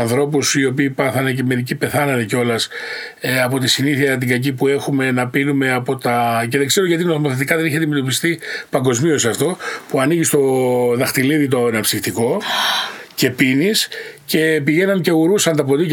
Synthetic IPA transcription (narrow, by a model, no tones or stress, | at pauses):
ɐnθɾo̞pusio̞piːpɐθɐne̞ce̞me̞ɾicipe̞θɐnɐneceo̞lɐs | ɐpot̪isiniθiɐt̪̬iɡɐcipue̞xume̞nɐpinume̞ɐpo̞t̪ɐce̞ðeŋɡze̞ɾoʝɐt̪inoθomoθe̞t̪ikɐðe̞niçeɐt̪ime̞t̪o̞pist̪ipɐŋɡo̞zmio̞siɐft̪o̞puɐniʝist̪o̞ðɐxt̪iliðit̪o̞nɐpsift̪iko̞ | ce̞pinisce̞piʝe̞nɐnce̞uɾusɐnt̪ɐp̬o̞t̪i